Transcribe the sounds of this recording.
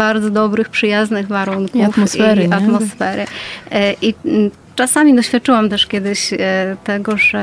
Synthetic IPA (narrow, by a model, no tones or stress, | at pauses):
baɾd̪zɔd̪ɔbɾɘxpʂɘjaznɘɣvaɾuŋkufɔsiɛɾat̪mɔsfɛɾɘ | ʔi | t͡ʂasamʲid̪ɔɕfʲjat̪̚t͡ʂɘwamt̪ɛʂkʲjɛd̪ɘɕt̪ɛɡɔʐɛ